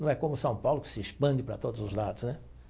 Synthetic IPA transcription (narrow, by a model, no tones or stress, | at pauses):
nɐ̃w̃ɛkõmʊsɐ̃w̃pawlʊkɪ̥sɪespɐ̃d͡ʒɪpɾɐt̪od̪ʊzʊzlad̪ʊsnɛ